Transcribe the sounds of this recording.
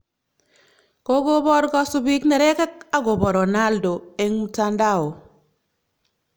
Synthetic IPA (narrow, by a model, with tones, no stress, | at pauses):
ko˦ɡo˦bɔ˦ɾɡɔ˦sʊ˨bi˦knɛ˨ɾɛ˦ka˦k̚a˦ɡo˨bɔ˨ɾɔ˨na˦ldo˨e˦ŋmu˨ta˦nda˦˨wo˨